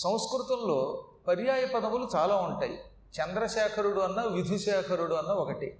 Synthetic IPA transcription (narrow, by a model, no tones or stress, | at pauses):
sɐ̃w̃skɾut̪ɐmlo̞ː | pɐɾjaːjɐpɐd̪ɐmulut͡ʃaːlaːuɳʈa̰ːjḭ | t͡ʃɐnd̪ɾɐʃɛːkʰɐɾuɽuɐnːɐʋjud̪ʱiʃɛːkʰɐɾuɽuɐnːɐɔkɐʈḭ